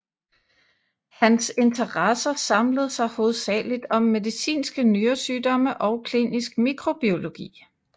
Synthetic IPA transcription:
hænse̝nt͡sʰɐʁɑsɐsɑ̈mləð̞̩ˠsɑ̈ɪho̝ːð̞̩ˠsɛ̰ːlid̥ɒ̽mːe̝ðˠisḭːnsɡ̥ənyːɐsyːdɒ̽məʔɒ̽ʊkʰlḭːnisɡ̥miɡʰʁo̝b̥io̝lo̝ɡ̥ḭː

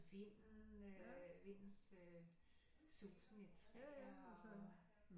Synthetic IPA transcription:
ʋe̝n̰n̩ | ʋe̝n̰n̩sø | suːsn̩it͡sʰʁɛɒsɔn

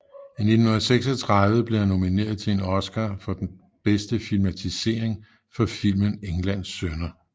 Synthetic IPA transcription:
ine̝d̥n̩hu̝nˠɐseɡ̥sɒt͡sʰʁɑ̈ðˠʋəb̥le̝æno̝mine̝̰ːɐð̞ˠt͡sʰe̝enɒ̽sɡ̥æːfɒ̽d̥en | b̥esd̥əfilmæt͡sʰise̝ːɐ̰eŋ | fɒ̽fil̰məneŋlæn̰sːønɐ

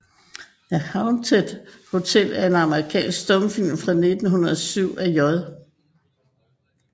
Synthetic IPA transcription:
æhɑ̈ʊnt͡sʰed̥ho̝t͡sʰel̰æɐe̝nɑ̈məʁikʰɛ̰ːnsɡ̥sd̥ɔmfil̰mfʁɑ̈ne̝d̥n̩ɦunɐðˠɒsyʊ̰æjɒðˠ

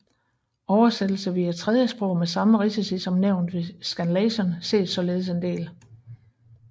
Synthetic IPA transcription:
ɒʊɐsed̥l̩səʋiːæt͡sʰʁɛð̞ˠjəsb̥ʁɔʊ̰mesɑ̈məʁisisisɒ̽mneʊ̰nd̥ʋe̝sɡ̥ænlɛsɒnse̝̰ːd̥sɒ̽le̝ːð̞ˠse̝nd̥e̝̰ːl

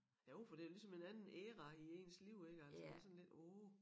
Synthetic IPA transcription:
jæoʊfɒd̥e̝æjlisɒ̽me̝nænn̩eːʁɑie̝̰ːnsliʊ̰e̝ɡ̥əælsdə̥esɒ̽n̩le̝d̥o

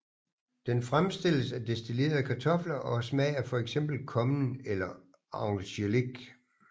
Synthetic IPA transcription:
d̥enfʁamsd̥e̝l̰əsæd̥e̝sd̥ʰile̝̰ːɐð̩ˠkʰɑ̈t͡sʰɒ̽flɐʔɒ̽smɛːɐfɒ̽eɡ̥sem̰b̥l̩kʰɒ̽mnelɐ | ɑʊŋɕeleɡ̥

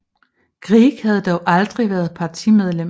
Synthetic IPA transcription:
ɡ̥ʁiɡ̥hæð̞̩ˠd̥ɒʊʔɑ̈ld̥ʁiʋæːɐð̞̩ˠpʰɑ̈t͡sʰimeðˠlem

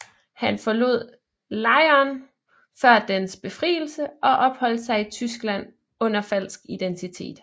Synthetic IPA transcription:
hænfɒ̽lo̝ð̞̰ˠ | lɑ̈ɪɐːn | fɶɐd̥ensb̥e̝fʁḭːl̩səʔɒ̽ʔɒ̽b̥hɒ̽l̰d̥sɑ̈ɪit͡sʰysɡ̥læn̰ | ɔ̽n̰ɐfæl̰sɡ̥id̥ent͡sʰit͡sʰe̝̰ːd̥

